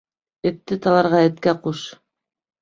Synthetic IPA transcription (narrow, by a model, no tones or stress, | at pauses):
ɘ̆t̪ːɘt̪ɑlˠɑɾʁɑɘ̆t̪kæquʃ